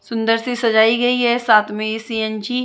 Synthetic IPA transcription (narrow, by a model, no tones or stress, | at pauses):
sʊ̃nd̪əɾsisɐd͡ʒaːiɡɐiɦɛsaːt̪ʰmẽesiɛnd͡ʒi